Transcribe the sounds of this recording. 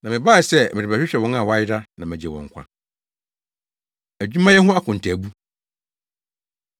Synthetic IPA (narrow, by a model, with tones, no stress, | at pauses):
nã˨mɪ̃˨ba˦˨sɛ˦˨mɪ̃˨ɾɪ˨a˨ɕᶣɪ˦ɕᶣɛ˨wɔ̃˦nã˦˨wa˦jɪ˦da˦nã˨mæ̃˨d͡ʑɛ˨wɔ̰̃˨ŋ˨kʷʰa̰˨ | æ˨d͡ʑᶣu˦mã˦jɛ˦ɦʊ̃˦a˦kʰʊ̃˨n̩˨tʰæ˨bu˦